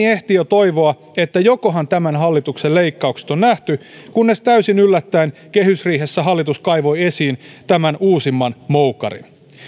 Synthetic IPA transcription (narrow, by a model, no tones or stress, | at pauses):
eht̪iot̪oiʋoɑ | e̞t̪ːæjo̞koɦɑnt̪æmænɦɑlːit̪ukselle̞ikːɑukse̥t̪o̞nːnæht̪y | kunːe̞st̪æysinylːæt̪ːæinke̞hysriːɦe̞sːæɦɑlːit̪uskɑiʋo̞je̞siːnt̪æmænuːsimːɑnmoukɑ̰ɾḭn